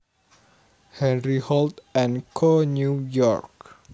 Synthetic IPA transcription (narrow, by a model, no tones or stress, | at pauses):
hɛ̃nɹihɔltɛ̃nkʰɔnjujɔɹk